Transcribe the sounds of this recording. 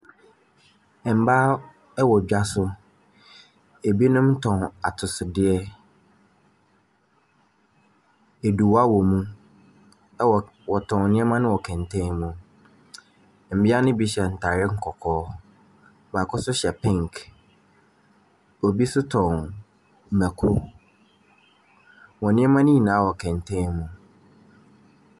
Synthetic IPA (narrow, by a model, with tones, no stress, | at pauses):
ɛ˨m̩˨˦baː˦ | ɛ˦wɔ˨d͡ʑᶣa˦sʊ˦ | e˨bi˦nʊ̃˦mtʰɔ̃˨na˨tʰʊ˨sʊ˨dɪ˦ɛ˦ | e˨du˨wa˦wɔ˨mũ˦˨ | wɔ˨tʰɔ̃˨n˦nɪ̃˦ɛ˦mã˦nʊ̃˦wɔ˨kʰɛ̃˨ntʰɛ̃˦mũ˨ | m̩˨bɪ˦a˦nʊ̃˦bi˦ɕɛ˨n̩˨tʰa˨ɾɪ˦ŋ̩˦kʰɔ˨kʰɔː˦ | mã˨kʰʊ˦sʊ˦ɕɛ˨pʰɛ̃˦˨ŋk | ɔ˨bi˦sʊ˦tʰɔ̃˨n | m̩˨mæ̃˨kʰo˦ | wɔ̃˨nɪ̃˦ɛ˦mã˦nɪ̃˦ji˨nãː˨˦wɔ˨kʰɛ̃˨ntʰɛ̃˦mũ˨